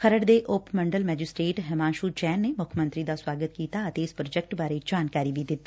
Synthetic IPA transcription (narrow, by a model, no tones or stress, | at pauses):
kʰəɾəɽd̪eːʔʊpməɳɖəlmɛːd͡ʒɪsʈɾeːʈɦɛmaːnʃuːd͡ʒɛːnːeːmʊkʰmə̃nt̪ɾid̪aswaːɡət̪̚kiːt̪aət̪eɪspɾoːd͡ʒɛk̚ʈbaːɾed͡ʒaːnkaːɾiʋid̪ɪt̪